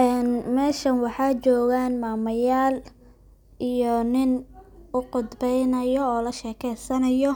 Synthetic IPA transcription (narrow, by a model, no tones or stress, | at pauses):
ʔɛːnmɛːʃɐnwɑħɑːt͡ʃɔːɣaːnmaːmɐjaːl | ʔijɔnɪnʊqʊd̪bɛjnɐjɔːlɐʃɛːkʰɛjsɐnɐjɔ